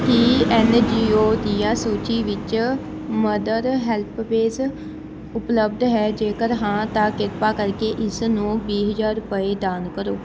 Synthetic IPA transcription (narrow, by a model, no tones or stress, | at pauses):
kiɛnd͡ʒiːoːd̪ijãːsoːt͡ʃiːʋɪt͡ʃ | məd̪əɾɦɛlpʋeːz | ʊpləb̚d̪ɦɛːd͡ʒeːkəɾɦãːt̪ãːkɪɾpaːkəɾkeːʔɪsnũːbiːɦəd͡ʒaːɾʊpəeːd̪aːnkəɾoː